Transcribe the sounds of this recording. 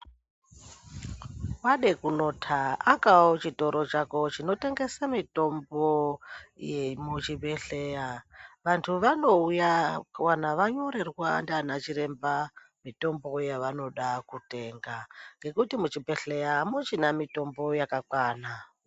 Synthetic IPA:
waɗekuno̞tʰaakaot͡ʃito̞ɾo̞t͡ʃako̞t͡ʃino̞te̞ŋɡe̞samito̞mbojemut͡ʃibe̞ɬejaʋantʰuʋano̞ujawanaʋaɲo̞ɾe̞rwandanat͡ʃiɾe̞mba | mito̞mbo̞jaʋano̞ɗakute̞ːŋɡaŋɡe̞kutimut͡ʃibe̞ɬe̞jamot͡ʃinamito̞mbo̞jakakwaːna

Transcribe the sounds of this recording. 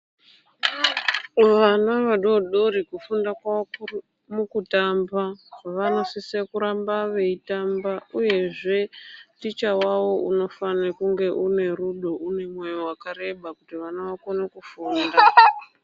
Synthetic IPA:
ʋanaʋaɗo̞ɗoɾikufundakwa | mukutambaʋano̞sisekuɾambaʋe̞itambauje̞ʐe̞tit͡ʃawawo̞ʔuno̞fanekuŋɡe̞ʔune̞ruɗo̞une̞mwejowakaɾe̞ɓakutiʋanaʋako̞nakufuːnda

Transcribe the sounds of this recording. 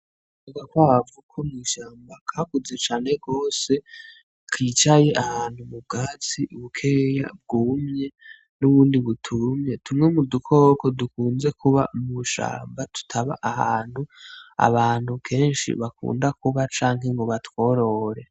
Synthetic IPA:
uɡakwavukʰomŋiːʃaːmbakʰakuze̞t͡ʃaːne̞ɡo̞ːse̞ | kʰit͡ʃaje̞ʔahaːn̥humub̚ɡaːt͡siuβukʰe̞ːja̰b̚ɡumɲe̞ | nuβuːndiβutʰumɲe̞tʰumŋe̞mudukʰo̞ːkodukuːnze̞kʰuβa̰muʃa̰ːmbatu̥tʰaβaʔahaːnhua̰βaːn̥hukʰe̞ːnʃḭβakṵːndakuβat͡ʃaːŋɦe̞ŋɡoβatwo̞ɾo̞ɾe̞

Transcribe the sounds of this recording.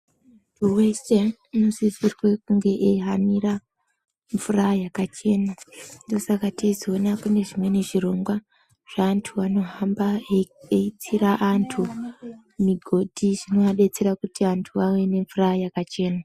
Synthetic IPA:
uweste | inosizirwekuŋɡe̞ʔeɦanira | ɱvurajakat͡ʃe̞ːnando̞sakatezionakune̞ʐimwe̞ne̞ʐiro̞ŋɡwa | ʐ̥antʰuʋano̞ɦambaeit͡siɾaʔantʰu | miɡʱo̞dʱiʐino̞ʋaɗe̞t͡seɾakutiantʰuʋawene̞ɱvurajakat͡ʃe̞ːna

